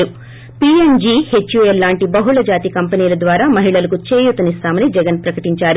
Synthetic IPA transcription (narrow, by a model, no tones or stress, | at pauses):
ɾu | piːend͡ʒiːhet͡ʃːjuɛlːaːɳʈibɐɦuɭɐd͡ʒaːt̪ikɐmpɐniːlɐd̪ʋaːɾaːmɐɦiɭɐlɐkut͡ʃeːjut̪ɐnist̪aːmɐnid͡ʒɛɡɐnpɾɐkɐʈiɲt͡ʃaːɾu